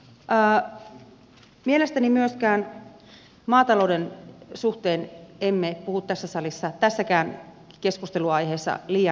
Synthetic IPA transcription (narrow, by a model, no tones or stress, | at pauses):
ʔː | mielest̪ænimyøskæːn | mɑːt̪ɑloudensuht̪eːnemːepuhut̪t̪æsːæsɑlisːɑt̪æsːækæːn | keskust̪eluɑjheːsːɑ̰liːjɑ